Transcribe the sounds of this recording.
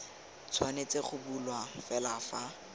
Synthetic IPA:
t͡sʰwanet͡seχʊbulwafɛlafa

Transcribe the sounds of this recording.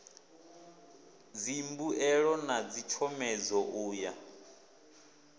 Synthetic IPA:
d͡zimbuɛɺɔnad͡zit͡ʃʰɔmɛd͡zɔʔuːja

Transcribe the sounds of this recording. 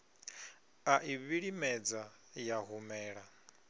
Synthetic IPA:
aʔiβiɺimɛd͡za | jaɦumɛːɺa

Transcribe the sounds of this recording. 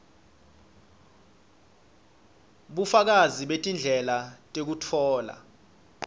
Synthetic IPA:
ɓufak̬aziɓetʼind͡ɮʱɛlatʼek̬utʰɔːla̰

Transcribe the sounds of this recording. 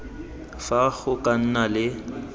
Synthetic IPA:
faɣʊkʼan̩nalɪ

